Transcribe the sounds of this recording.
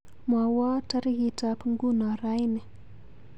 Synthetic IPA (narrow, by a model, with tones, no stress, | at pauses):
mwa˨wa˦ta˦ɾɣitapiŋɡu˦na˨ɾajne˨